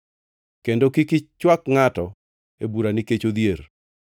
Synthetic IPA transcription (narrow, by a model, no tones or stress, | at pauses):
kendokikɪt͡ʃwakŋatɔ | ebuɾaniket͡ʃod̪jeɾ